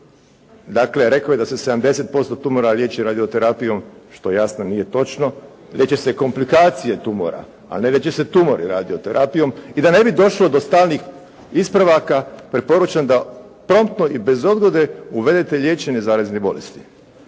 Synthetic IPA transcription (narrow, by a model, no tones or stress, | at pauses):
d̪akle̞ɾe̞kaje̞d̪ase̞sed̪amd̪e̞se̞t̪̚po̞st̪ot̪umoɾalʲjeːt͡ɕiɾad̪iot̪e̞ɾapijo̞mʃt̪ojasnonije̞t̪o̞t͡ʃno̞ | lʲjet͡ɕe̞seko̞mplikaːt̪sijet̪umo̰ɾa̰ | a̰nelʲjet͡ʃese̞t̪umoɾḭɾa̰ːd̪iot̪eɾʔapijo̞mid̪ane̞bid̪o̞ʃlo̞d̪ost̪aːlnix | ispɾaʋakapɾepo̞ɾut͡ʃand̪a | pɾo̞mt̪no̞ʔibe̞zo̞d̪ɡod̪euʋe̞d̪et̪e̞ʎʲeːt͡ɕenezaːɾaznebo̞lest̪i̥